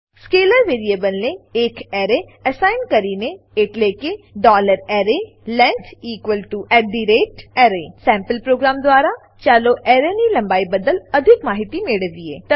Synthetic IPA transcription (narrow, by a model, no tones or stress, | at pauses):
skeːləɾʋeːɾieːbəlneɪkɛːɾeː | əsaːɪnkəɾiːne | ɪʈleːkeɖɔːləɾɛːɾeː | lɛ̃ntʰiːkwəlʈuɛːɖ̪iːɾeːʈɛːɾeːsɛ̃ːmpəlpɾoːɡɾaːmd̪ʊwaːɾaː | t͡ʃaːloːʔɛːɾeːniːlə̃mbaːibəd̪ələd̪ʱɪkmaːɦɪt̪imeɽəʋiːḛː